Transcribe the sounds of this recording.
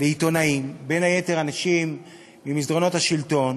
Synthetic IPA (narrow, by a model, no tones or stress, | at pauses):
leit̪o̞naimbe̞nhaje̞t̪e̞ʁanaʃimː | imizdʁo̞no̞t̪haʃilt̪o̞n